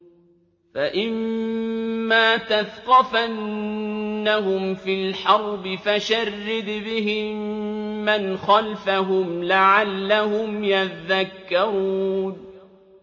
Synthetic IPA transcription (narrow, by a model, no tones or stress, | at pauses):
faʔɪmː | aːt̪aθqɑfa | ahʊmfɪlħɑɾˤbɪfaʃarːɪd̪bɪɦɪmːanxɑlfaɦʊmlaʕalːahʊmjaðakːaɾuːn